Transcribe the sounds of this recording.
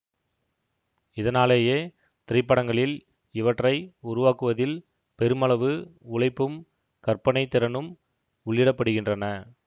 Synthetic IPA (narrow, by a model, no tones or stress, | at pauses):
ɪðɐnaːleːjeː | t̪ɪɾɪpːɐɽɐŋɡɐɭɪl | ɪʋɐʈrɐɪʊɾʊʋaːkɯʋɐðɪl | pɛɾɯmɐɭɐʋɯʊɭɐɪpːɯm | kɐrpɐɳɐɪt̪ːɪɾɐnɯm | ʊɭːjɪɽɐpːɐɽɯɣɪndrɐnɐ